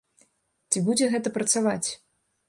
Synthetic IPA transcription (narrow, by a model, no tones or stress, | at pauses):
t͡sʲibud͡zʲɛɣɛt̪ɐpɾɐt̪savat͡sʲ